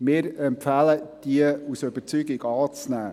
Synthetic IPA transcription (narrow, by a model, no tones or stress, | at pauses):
mɪːɾɛmpfæləd̥iəusøb̥əɾt͡syɡiɡɑːt͡snæː